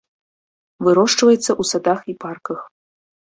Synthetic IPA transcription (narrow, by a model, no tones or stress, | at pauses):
vɨɾɔʂt͡ʂvɐjɛt̪sːɐʔusad̪axiparkɐx